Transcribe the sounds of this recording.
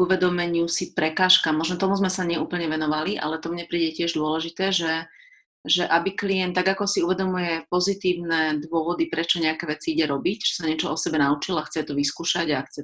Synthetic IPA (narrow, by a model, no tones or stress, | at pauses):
uʋɛd̪ɔmɛɲɪusipɾɛkaːʃkamːɔʒnɔt̪ɔmuzmɛsaɲɪɛʔuːpl̩ɲɛʋɛnɔʋaliʔa̰lɛt̪ɔmɲɛpɾiːɟɛcɪɛʒd̪ʊɔlɛʒit̪ɛːʒɛ | ʒɛʔabikliɛnt̪ːaɡakɔsiuʋɛd̪ɔmujɛpɔzit̪iːʊnɛd̪ʋʊɔʋɔd̪ipɾɛt͡ʃɔɲɛakɛːʋɛt͡siiɟɛɾɔbicʒɛsaɲɪɛt͡ʃɔɔsɛbɛnaut͡ʃilaxt͡sɛt̪ɔʋiskuːʃaɟaxt͡sɛ